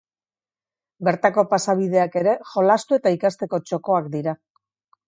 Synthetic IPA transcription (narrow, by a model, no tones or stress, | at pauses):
be̞ɾt̪ako̞pasaβ̞ið̞e̞ake̞ɾe̞ʝo̞last̪ue̞t̪aikast̪e̞ko̞t͡ʃo̞ko̞akd̪iɾa